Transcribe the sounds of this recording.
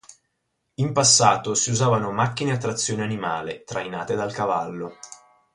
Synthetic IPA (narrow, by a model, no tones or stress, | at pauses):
impasːaːt̪osiuzaːvanomak̟ːineat̪ːɾat̪sːjoːneanimaːlet̪ɾajna̰ːt̪ed̪alkava̰lːo